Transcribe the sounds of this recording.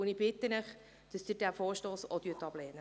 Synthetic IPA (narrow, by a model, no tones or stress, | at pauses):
ʊnib̥ɪt̪ːənəχ | d̥ɑsd̥̪ədæfoːɾʃtoːsɔt̪yətɑb̥lɛːnə